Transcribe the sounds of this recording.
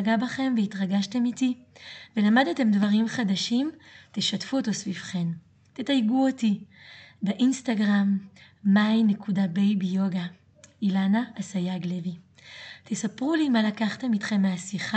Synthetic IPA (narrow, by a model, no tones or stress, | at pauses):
ɡabaχe̞mveitʁaɡaʃte̞mitive̞lamadete̞mdvaʁimχadaʃimt̪eʃatfuoto̞svivχe̞m | tetajɡuotibeʔinstaɡʁamː | ajne̞kudabejbijoɡa | ilanaʔːsajaɡlevi | tʰesapʁulimalakaχt̪e̞mit̪χe̞mːeasiχa